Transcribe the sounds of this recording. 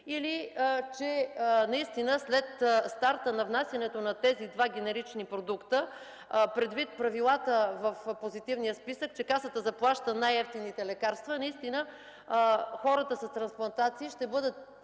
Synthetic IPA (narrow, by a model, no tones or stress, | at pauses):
ilit͡ʃɛnɐist̪inəslɛt̪st̪aɾt̪ənɐvnasjɐnɛt̪onɐt̪ɛzid̪vaɡʲɛnɛɾit͡ʃnipɾod̪ukt̪ə | pɾɛd̪vit̪̚pɾɐvilˠat̪əvəfpozit̪ivnijəspisək̚t͡ʃɛkasət̪əzɐplˠaʃt̪ənajɛft̪init̪ɛlɛkaɾst̪vənɐist̪inə | xɔɾət̪əsɐst̪ɾɐnsplˠɐnt̪at̪siːʃt̪ɛbɤd̪ət̪̚